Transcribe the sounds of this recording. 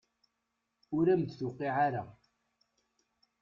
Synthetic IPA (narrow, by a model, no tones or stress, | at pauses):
ʊɾæmd̪θʊqːiʕaɾa